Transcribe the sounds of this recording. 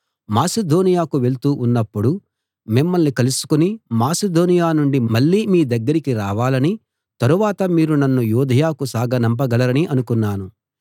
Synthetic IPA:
maːsed̪ʱoːnijaːkuʋe̞lt̪uːʔunːɐpːuɽu | mimːɐlnikɐlusu̥kunimaːsed̪oːnijaːnuɳɖimɐɭːiːmiːd̪ɐɡːɐɾikiɾaːʋaːlɐni | t̪ɐɾuʋaːt̪ɐmiːɾunɐnːujuːd̪ʱɐjaːkusaːɡɐnɐmp̬ɐɡɐlɐɾɐniʔɐnukunːaːnu

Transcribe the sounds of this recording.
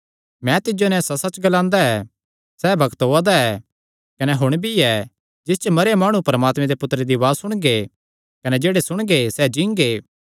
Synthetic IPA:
mɛ̃t̪ɪd͡ʒonɛ̃sɐsɐt͡ʃɡɐlãːnd̪aɛ | sɛːbʱɐɡt̪ɦoːad̪aɛ | kɐnɛɦʊɽ̃bʱiɛ | d͡ʒɪs̬t͡ʃmɐɾamaːɽ̃ũpɐɾəmaːt̪mɛ̃d̪epʊt̪ɾed̪iʋaːsʊɽ̃ɡe | kɐnɛd͡ʒeːɽesʊɽ̃ɡesɛd͡ʒĩːŋɡeː

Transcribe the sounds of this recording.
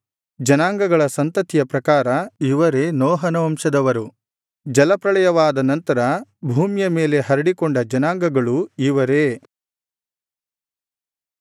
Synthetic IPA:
d͡ʒɐnaːŋɡɐɡɐɭɐsɐnt̪ɐt̪ijɐpɾɐkaːɾɐiʋɐɾe̞nɔːɦɐnɐʋɐmʂɐd̪ɐʋɐɾu | d͡ʒɐlɐpɾɐɭɐjɐʋaːd̪ɐnɐnt̪ɐɾɐbʱuːmjɐme̞ːle̞ɦɐɾɐɽikɔɳɖɐd͡ʒɐnaːŋɡɐɡɐɭuiʋɐɾeː

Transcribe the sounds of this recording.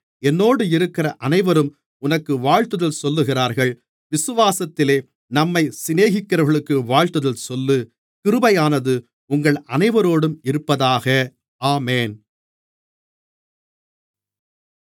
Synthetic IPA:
ɛnːoːɽɯɪɾɯkːɪrɐʔɐnɐɪʋɐɾɯm | ʊnɐkːɯʋaːɻt̪ɯðɐlsɔlːɯɣɪraːɾɣɐɭ | ʋɪsɯʋaːsɐt̪ːɪleː | nɐmːɐɪsɪneːɣɪkːɐɾɐɾɣɐɭɯkːɯʋaːɻt̪ɯðɐlsɔlːɯ | kɪɾɯbɐjaːnɐðɯ | ʊŋɡɐɭɐnɐɪʋɐɾoːɽɯmɪɾɯpːɐðaːɣɐ | aːmeːn

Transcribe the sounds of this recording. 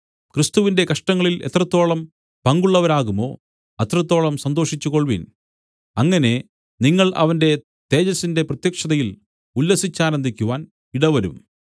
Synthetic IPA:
krist̪uʋinde̞kɐʂʈɐŋːɐɭile̞̰t̪rɐt̪ːo̞ːɭɐm | pɐŋɡuɭːɐʋɐɾaːɣumo̞̰ː | ɐt̪rɐt̪ːo̞ːɭɐmsɐnd̪o̞ːʂit͡ɕːuko̞ɭʋin | ɐŋːɐne̞ | niŋːɐɭɐ̰ʋɐnde̞ | t̪e̞ːd͡ʑɐsinde̞prɐt̪jɐkʂɐðɐjil | ulːɐsit͡ɕːaːnɐnd̪ʱikʲːuʋaːn | iɽɐʋɐɾṵm

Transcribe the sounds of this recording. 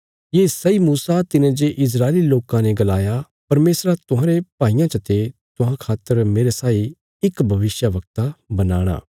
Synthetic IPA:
jeːsɐimuːsat̪ɪnẽd͡ʒeʔɪs̬ɾaːeliloːkãnẽɡɐlaːja | pɐɾmeːsɾat̪ʊɦãːɾepaːijãt͡ʃɐt̪et̪ʊɦãkʰaːt̪ːəɾmeːɾesaːi | ɪkbʱɐʋɪsjaʋɐk̚t̪abɐna̰ːɽ̃a̰ː

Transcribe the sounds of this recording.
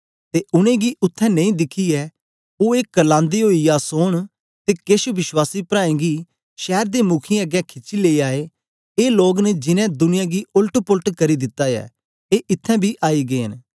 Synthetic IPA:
t̪eːʔʊnẽːɡiʔʊt̪ʰːɛ̃ːnɐ̃ĩːd̪ɪkʰːiɛː | oːeːkːəlãːnd̪iɦoːijaːsoːɽ̃ | t̪eːkeʃʋɪʃwaːsipɾaːẽːɡi | ʃɛːɾd̪eːmʊkʰiəɡɛːkʰɪt͡ʃːileːiaːeː | eːloːɡned͡ʒɪnɛ̃d̪ʊnɪjãːɡiʊlʈpʊlʈkɐɾid̪ɪt̪ːaːjɛ̰ː | eːʔɪt̪ʰːɛ̃bʱiʔaːiɡeːən

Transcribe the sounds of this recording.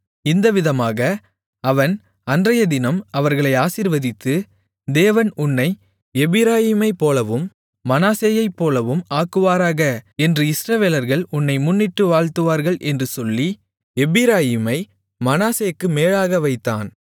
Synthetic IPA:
ɪnd̪ɐʋɪðɐmaːɣɐ | ɐʋɐn | ɐndrɐjɐd̪ɪnɐmɐʋɐɾɣɐɭɐɪaːsiɾʋɐðɪt̪ːɯ | d̪eːʋɐnʊnːɐɪ | ɛbɪɾaːjɪmɐɪpːoːlɐʋɯmː | ɐnaːseːjɐɪpːoːlɐʋɯmaːkɯʋaːɾaːɣɐɛndrɯɪsɾɐʋeːlɐɾɣɐɭʊnːɐɪmʊnːɪʈːɯʋaːɭt̪ɯʋaːɾɣɐɭʔɛndrɯsɔlːi | ɛbɪɾaːjɪmɐɪ | mɐnaːsejkːɯmeːɻaːɣɐʋɐɪt̪ːa̰ːn

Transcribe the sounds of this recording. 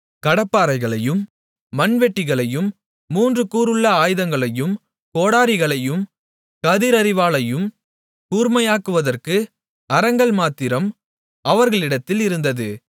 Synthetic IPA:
kɐɽɐpːaːɾɐɪɣɐɭɐjɯmː | ɐnʋɛʈːɪɣɐɭɐjɯmː | uːndrɯkuːɾɯɭːɐaːjðɐŋɡɐɭɐjɯm | koːɽaːɾɪɣɐɭɐjɯm | kɐðɪɾɐɾɪʋaːɭɐjɯm | kuːɾmɐjaːkɯʋɐðɐrkɯ | ɐɾɐŋɡɐɭmaːt̪ːɪɾɐm | ɐʋɐɾɣɐɭɪɽɐt̪ːɪlɪɾɯnd̪ɐðɯ

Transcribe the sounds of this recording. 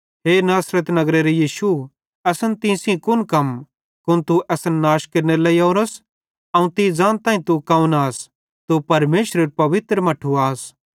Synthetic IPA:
ɦeːnaːsɾət̪nɐɡɾeɾejiːʃu | ɛsənt̪ɪ̃ːsĩkʊnkɐm | kʊnt̪uʔɛsənːaːʃkeɾnelɐioːɾɐs | ɐũt̪id͡zãːnt̪ãːĩt̪ukɐũnaːs | t̪upɐɾmeːʃɾəɾpɐʋɪt̪ɾəmɐʈʰuaːs

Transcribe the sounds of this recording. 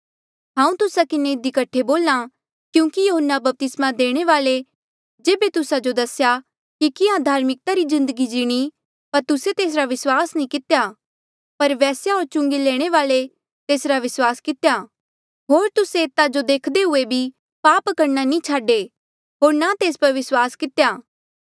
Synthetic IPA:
ɦãːũt̪ʊsakɪneɪd̪ikɐʈʰːeboːla | kjũːkijoɦənːabɐp̚t̪ɪsmad̪eːɽ̃eʋaːle | d͡ʒeːbet̪ʊsad͡ʒod̪ɐsja | kikɪɦãd̪ʱaːɾmɪk̚t̪aɾizɪ̃nd̪əɡid͡ʒɪɽ̃i | pɐɾt̪ʊset̪eːs̬ɾaʋɪswaːsnĩkɪt̪eja | pɐɾʋɛːsjaɦoːɾt͡ʃʊ̃ŋɡeleːɽ̃eʋaːle | t̪eːsɾaʋɪswaːskɪt̪ja | ɦoːɾt̪ʊseːt̪ad͡ʒod̪eːkʰd̪eɦʊebʱi | paːpkɐɾnanĩt͡ʃʰaːɖe | ɦoːɾnat̪eːspɐɾʋɪswaːskɪt̪ejaː

